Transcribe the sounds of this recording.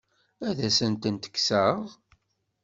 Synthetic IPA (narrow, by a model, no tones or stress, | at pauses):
æðæsənt̪ənt̪ə̥kːsəðˤ